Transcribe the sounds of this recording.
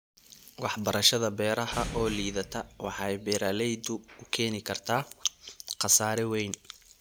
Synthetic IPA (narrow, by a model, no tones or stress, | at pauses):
wɑħbɐɾɐʃɐðɐbɛːɾɐhɐʔɔːliːðɐt̪ʰɐwɑħɑjbɛːɾalɛjd̪ʊʊkʰɛːnɪkʰɐrt̪ʰaː | qɑsaːɾɛwɛjn